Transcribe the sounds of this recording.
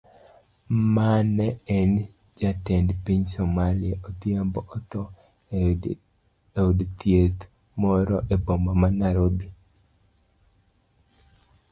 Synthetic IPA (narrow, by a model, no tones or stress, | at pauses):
manɛɛn | d͡ʒatendpiɲsomalɪeʔot̪iambɔʔɔt̪ɔ | eudt̪jet̪ | mɔɾɔʔebɔmamanaɾobi